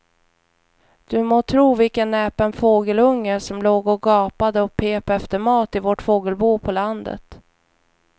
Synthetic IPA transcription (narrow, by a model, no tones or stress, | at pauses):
d̪̥ɵmoːt̪ʰɾuːvɪlkənːɛːpənfoːɡəlɵŋːəʂɔmloːɡɔɡɑːpad̪əɔk̚pʰeːpɛft̪əɾmɑːt̪ɪvɔʈfoːɡəlbuːpʰɔland̪ə̰t̪